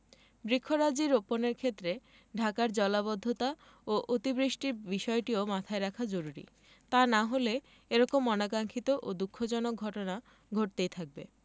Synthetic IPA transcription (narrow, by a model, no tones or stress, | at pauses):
bɾikʰːoɾad͡ʑiɾoponeɾkʰet̪ːɾe | ɖʱakaɾd͡ʑɔlaβod̪ʱːot̪a | oʔot̪ibɾiʃʈiɾbiʃɔeʈiomat̪ʰaeɾakʰad͡ʑoɾuɾḭ | t̪anaɦole | eɾɔkomːɔnakaŋkʰit̪oʔod̪ukʰːod͡ʑɔnok̚ɡʱɔʈona | ɡʱoʈ̚t̪ejt̪ʰak̚be